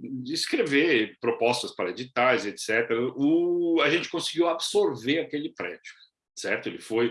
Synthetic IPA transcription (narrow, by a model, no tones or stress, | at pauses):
d͡ʒɪskɾevepɾopɔst̪ɐspaɾɐed͡ʒit̪aɾzet̪sɛt̪eɾɐʊaʒẽnt͡ʃɪ̥kõsiɡiwabsoɾveɾakelɪpɾɛd͡ʒʊ | sɛɾt̪ʊelɪfoj